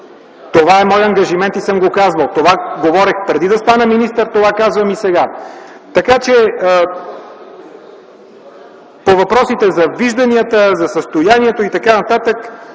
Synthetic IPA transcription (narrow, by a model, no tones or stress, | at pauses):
t̪ovaɛmɔjɐŋɡɐʒimɛnt̪isɤmɡokazvɐlˠt̪ovaɡovɔɾɛxpɾɛd̪id̪ɐst̪anɛminist̪əɾt̪ovakazvɐmisɛɡa | t̪ɐkat͡ʃɛ | povɐpɾɔsit̪ɛzɐviʒd̪ɐniət̪əzɐsəst̪ojaniɛt̪oit̪ɐkanɐt̪at̪ək